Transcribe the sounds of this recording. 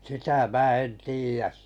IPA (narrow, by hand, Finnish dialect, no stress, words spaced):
sitæ mæː en tiːjæs